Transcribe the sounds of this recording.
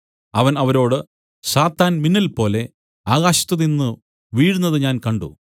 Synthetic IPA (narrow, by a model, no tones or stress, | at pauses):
ɐʋɐnɐʋɐɾo̞ːɽɨ | saːt̪ːaːnminːɐlpo̞ːle̞ | aːɣaːɕi̥t̪ːɐðinːɨ | ʋiːɽunːɐðɨɲaːnkɐɳɖṵ